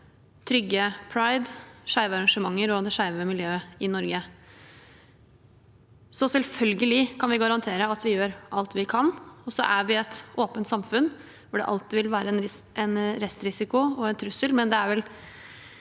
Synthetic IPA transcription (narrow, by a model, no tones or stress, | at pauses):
t̪ʰɾʏɡːəpʰɾaɪd̪ʂæɪʋɑɾɑŋʂəmɑŋːəɾɔd̪ɛʂæɪʋəmɪljøːəɪnɔɾɡə | sɔsɛlfœlɡəlɪkʰɑnʋɪɡɑɾɑnt̪ʰeːɾəɑt̪ʋɪjøːɾʔɑlt̪ʋɪkʰɑnːɔsɔ̰ʔæʋɪɛt̪ʔoːpənt̪sɑmfʉnː | fʊɖɛ̰ʔɑ̰lt̪ɪʋɪlʋæːɾəɛnɾ | ɛnɾɛst̪ɾɪsɪkʊɔɛnt̪ʰɾʉsəlmɛnd̪ɛæɾʋɛl